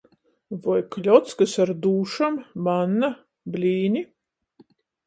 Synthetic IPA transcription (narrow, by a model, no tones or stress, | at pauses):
vɔjklʲɔt̪skasaɾd̪uːʃambanːa | blʲiːnʲi